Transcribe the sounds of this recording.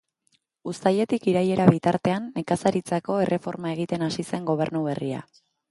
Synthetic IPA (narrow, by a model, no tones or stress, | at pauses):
ust̪aje̞t̪ikiɾaje̞ɾaβit̪aɾt̪e̞anːe̞kasaɾit͡sako̞e̞rʔe̞fo̞ɾmae̞ɣ̞it̪e̞nasise̞ŋɡo̞β̞e̞ɾnuβe̞ria̰